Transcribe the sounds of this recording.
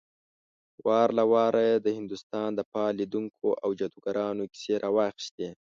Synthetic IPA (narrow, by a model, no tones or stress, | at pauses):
wʔɑɾlawɑɾʔajed̪əhɪnd̪ust̪ɑnd̪əpɑlid̪uŋkʰoʔawd͡ʒad̪uɡaɾɑnoki̥seɾʔɑwɑxi̥ʃt̪e